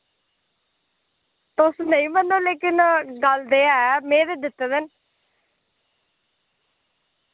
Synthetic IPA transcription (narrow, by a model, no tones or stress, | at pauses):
t̪ʊsnəĩːmənːoːleːkɪnɡəld̪eːɛːmẽːd̪eːd̪ɪt̪ːeːd̪ən